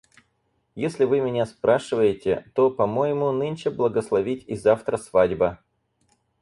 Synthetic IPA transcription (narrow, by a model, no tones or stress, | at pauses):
jesʲlʲɪvɨmʲɪnʲaspɾʔaʂɨvəjɪtʲɪ̰t̪o̞pɐmojɪmʊnɨnʲt͡ɕɪblˠəɡəslˠɐvʲitʲizaft̪ɾəsvadʲbə